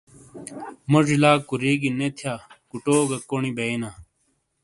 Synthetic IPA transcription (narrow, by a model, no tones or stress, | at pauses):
moʐilaːkːuɾiːɡinet̪ʰjaːkuʈoːɡɐkonibeenaː